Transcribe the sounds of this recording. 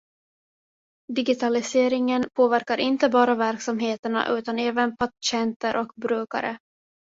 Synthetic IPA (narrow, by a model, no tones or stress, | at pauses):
d̪ɪɡɪt̪ʰalɪseːɾɪŋənpʰoːvæɾkaɾʔɪnt̪əbɑːɾavæɾksamɦeːt̪əɳa̰ʔʉ̟ːt̪anɛːvənpʰaɕɛnt̪əɾʔɔkbɾʉ̟ːka̰ɾʔə̰